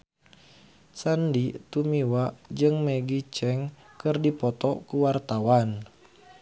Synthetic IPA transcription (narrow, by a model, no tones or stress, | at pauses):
sandit̪umiwad͡ʒɨŋmeɡit͡ʃɛŋ | kɨrdipɔt̪ɔkuwart̪awan